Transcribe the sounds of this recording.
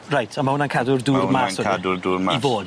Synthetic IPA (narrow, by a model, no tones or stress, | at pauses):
rajtʰamahʊnankʰadʊrduːrmasɔaidʊrduːrmaivoːd̥